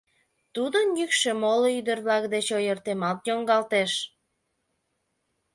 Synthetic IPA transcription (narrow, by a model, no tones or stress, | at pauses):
t̪ud̪ənjykʃemoloyd̪ərβlɑkd̪et͡ɕojərt̪emɑt̪joŋɡɑlt̪eʃ